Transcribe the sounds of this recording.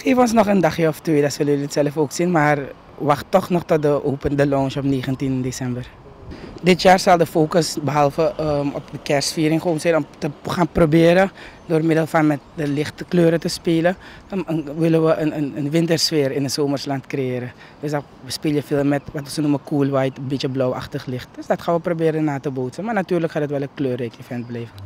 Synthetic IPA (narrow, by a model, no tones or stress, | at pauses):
χeːfəɔnsnɔχəndaχjəɔftʋeːdasʋəlɪtsɛləfoːksinmar | ʋaxtːɔχnɔχtɔt̚dəʔoːpəndəlɔːnʃɔpneːχəntindesɛmbər | dɪtjaːrsɑlˠdəfoːkəsbəɦɑlˠfəəɔp̚dəkɛrsfiːɾɪŋχoːnsɛjnɔmtəχaːnprobɪːɾədoːrmɪdəlˠfɑnmɛt̚dəlɪχtkløːɾətəspeːlə | əəʋɪlənʋəʔənənənʋɪntərsfɪːɾɪnəsoːmərslɑntkrejɪːɾə | d̥øs̬a | əspiːlˠjəfɪːlˠmɛtʋɑtʋəsənuməkuəlˠʋɛjtənbitjəblɔwa̰χtəχlɪχt̚d̥øsdɑtχaːnʋəprobɪːɾənaːtəboːtsənmaːrnatyːrləkχaːdətʋɛlˠənkløːrekifɛnt̚blɛjvə